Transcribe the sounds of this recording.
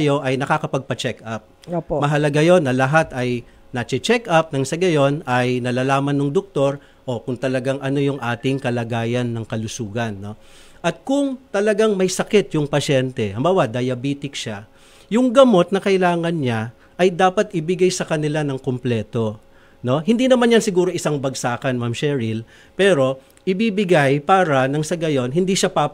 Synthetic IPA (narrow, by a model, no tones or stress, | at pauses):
jo̞ʔɐjnɐkakɐpɐɡ̚pɐt͡ʃɛkʔap̚opmɐɦɐlɐɡajo̞nːɐlɐɦat̪ɐj | nɐt͡ʃɪt͡ʃɛkɐp̚nɐŋsɐɡɐjo̞nɐjnɐlaːlaːmɐnːʊŋd̪ʊk̚t̪o̞ɾ | ʔo̞kʊŋt̪ɐlɐɡaŋʔɐno̞jʊŋʔaːt̪ɪŋkɐlaɡaːjɐnːɐŋkɐlʊsuːɡɐnːo̞ | ʔɐt̪̚kʊŋt̪ɐlɐɡaŋmɐjsɐkɛt̪jʊŋpɐʃɛnt̪ɛhɐmbaːwɐd̪ɐjɐbiːt̪ɪkʃa | jʊŋɡɐmo̞t̪̚nɐkɐʔɪlaːŋɐnɲa | ʔɐjd̪aːpɐt̪ʔɪbɪɡajsɐkɐnɪlanɐŋkomplɛːt̪o̞ | no̞ɦɪnd̪inɐmanjɐnsɪɡuːɾo̞ʔɪsaŋbɐɡsaːkɐnmamʃɛɹɪl | pɛːɾo̞ | ʔɪbibɪɡajpaːɾɐnɐŋsɐɡɐjo̞nɦɪnd̪iːʃapa